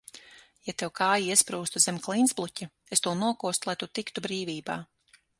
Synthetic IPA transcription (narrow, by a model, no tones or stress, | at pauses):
jat̪ewkaːjiispɾuːst̪uzʲemklˠinsblˠutʲa | est̪uɔnuɔkuɔst̪ulˠajt̪ut̪ikt̪ubɾiːvʲiːbaː